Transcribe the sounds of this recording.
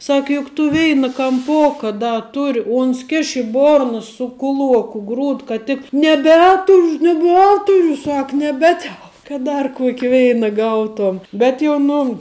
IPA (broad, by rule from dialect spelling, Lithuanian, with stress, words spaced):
ˈsɐk jʊk tʊ ˈʋʲɛɪnɐ kɐmˈpoːkɐ ˈdɐ ˈtʊrʲɪ ˈʊns ˈkʲɪʃ ɪ ˈboːrnɐ sʊ kʊˈlˠuɔkʊ ˈɡruːt kɐt ˈtʲɪk nʲɛˈbʲæːtʊrʊ nʲɛˈbʲæːtʊrʲʊ ˈsɐk nʲɛˈbʲæːtʲɛlˠ kɐt ˈdɐr ˈkuɔkʲɪ ˈʋʲɛɪnɐ ˈɡɐʊˌtuɔm ˈbʲɛt jɛʊ ˈnʊ